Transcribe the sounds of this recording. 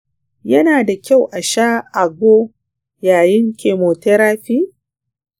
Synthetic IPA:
jɐ˦naː˨da˨kʲa˦˨wʔa˨ʃaː˦ʔa˨ɡʷoː˦ | jaː˨jɪ˦ŋkʲeː˨moː˨te˦ɾaː˦ɸiː˦

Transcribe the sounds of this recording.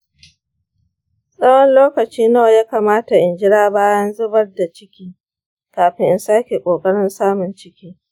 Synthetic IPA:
sʼɐ˦wɔ˦nloː˦kɐ˨t͡ʃiː˦na˦˨jaː˦kaː˨maː˦ta˨ʔɪ˨nd͡ʒɪ˦ɽaː˦baː˦jɐ˦nzʊ˦bɐ˦rda˨t͡ʃɪ˦kʲiː˦ | kaː˨ɸɪ˦ŋʔɪ˦nsaː˦kʲe˨kʷʼoː˨kʼɐ˦ɽɪ˦nsaː˦mʊ˨nt͡ʃɪ˦kʲiː˦

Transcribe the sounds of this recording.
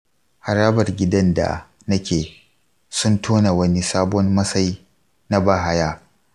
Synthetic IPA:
ha˨ɾaː˦bɐ˨rɡʲɪ˦dɐ˦nda̰˨ | nɐ˦kʲeː˨ | sʊ˦ntʰoː˦na˨wɐ˦ni˦saː˦bɔ˦mmɐ˦sa˦ji˦ | na˦baː˦˨ɦa˦jaː˦

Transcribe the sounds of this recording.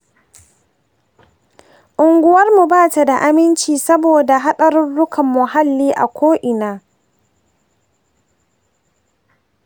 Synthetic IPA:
ʔʊ˨ŋɡʷʊ˦wɐ˦rmu˨baː˦˨ta˨da˨ʔa˨mɪ˦nt͡ʃiː˨sɐ˦boː˨da˨ɦa˦ɗɐ˨ɾʊ˦nɽʊ˦kʰɐ˨mːʊ˨ɦa˦lːiː˦ʔa̰˨kʷʰoː˦ʔɪ˨naː˨

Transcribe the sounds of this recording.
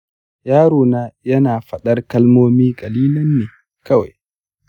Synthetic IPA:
jaː˦ɾoː˨naː˦jɐ˦naː˨ɸɐ˨ɗɐ˦rkɐ˦lmoː˦miː˦kʼɐ˨liː˦lɐ˦nːeː˨ | kɐ˦wa̰˨j

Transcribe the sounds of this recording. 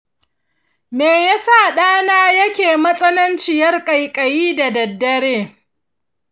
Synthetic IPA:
meː˨ja˦saː˦˨ɗaː˦naː˦jɐ˦kʲeː˨mɐ˦sʼɐ˦nɐ˦nt͡ʃɪ˨jɐ˦rkʼɐ˨jkʼɐ˨jiː˦da˨dɐ˨dːɐ˦ɽeː˦

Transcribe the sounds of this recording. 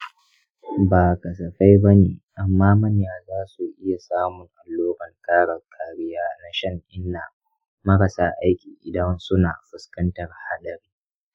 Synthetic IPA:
baː˨kɐ˨sɐ˨ɸa˦jbɐ˦neː˨ʔa˨mːaː˦mɐ˦njaː˨zaː˦su˨ʔɪ˦ja˨saː˦mʊ˨ŋʔa˨lːoː˦bɐ˨ŋkaː˦ɽɐ˨kʰaː˨ɽɪ˦jaː˦na˦ʃɐ˦ŋʔɪ˦nːa˨ | mɐ˦ɾɐ˨saː˦ʔa˦jkʲiː˨ʔɪ˨dɐ˦nsʊ˦na̰ː˨ɸʊ˨skɐ˦ntɐ˨rha˦ɗɐ˨riː˦

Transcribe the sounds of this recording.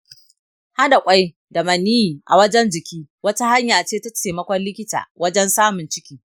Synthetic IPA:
ha˦da˨kʷʼa˦j | da˨mɐ˨niː˦ji˨ʔa̰˨wɐ˦d͡ʒɛ˦nd͡ʒɪ˨kʲiː˦wɐ˦ta˦ha˦ɲjaː˨t͡ʃeː˦ta˦t͡ʃeː˨mɐ˦kʷɔ˦nlɪ˦kʲɪ˦ta̰ː˨wɐ˦d͡ʒɛ˦nsaː˦mʊ˨nt͡ʃɪ˦kʲiː˦

